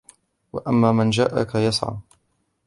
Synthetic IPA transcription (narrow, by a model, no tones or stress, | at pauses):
wa̰ʔamːaːmand͡ʒa̰ːʔakajɑsˤʕa̰